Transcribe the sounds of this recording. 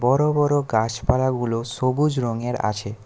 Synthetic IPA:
bɔɾobɔɾoɡat͡ʃpalaɡulosobud͡ʑɾoŋeɾa̰t͡ɕʰe

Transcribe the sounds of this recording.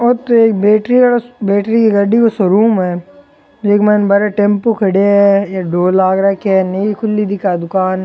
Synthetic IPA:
ɔɾt̪oeːk̚beːʈɾiɐɽbeːʈɾikiɡɐɖikosɐɾuːmɦɛː | d͡ʒeːkmɛːnbɐɾeʈẽmpokʰɐɽeɛ̃jaɖoːlaːɡɾɐkɛnɐikʰʊlːid̪ɪkad̪ʊkaːn

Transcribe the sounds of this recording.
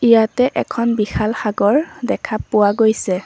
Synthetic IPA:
ijatɛʔɛkʰɔnbixalxaɡɔɹdɛkʰapːʊwaɡojsɛ

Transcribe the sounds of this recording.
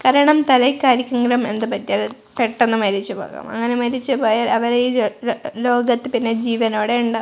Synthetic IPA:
kɐɾɐɳɐmt̪ɐlɐjkʲːaːɾikʲːɐŋɡɾɐme̞̰nd̪ɨpɐtːijaːl | peʈːe̞nːɨmɐɾit͡ɕːupoːɣa̰ːmɐ̰ŋːɐnemɐɾit͡ɕːɨpoːjaɐʋɐɾi | lo̞ːɡɐt̪ːɨpinːe̞d͡ʑiːʋɐno̞ːɽe̞uɳɖɨ

